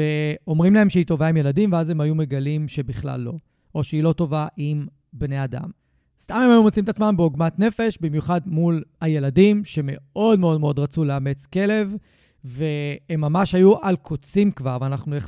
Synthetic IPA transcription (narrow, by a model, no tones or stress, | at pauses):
eo̞mʁimlae̞mʃeito̞vaimje̞ladimveaze̞mhajume̞ɡalimʃe̞biχla̰lːo̞̰ | ʔoʃeilo̞t̪o̞vaʔim | bne̞ada̰m | st̪amemhajumot͡simetat͡smambeoɡmatne̞fe̞ʃbimjuχadmulaje̞ladimʃe̞me̞o̞dmeo̞dme̞o̞dʁat͡suleame̞t͡ske̞le̞v | ve̞emːamaʃhajuʔalkʰot͡simkvaʁveanaχnuje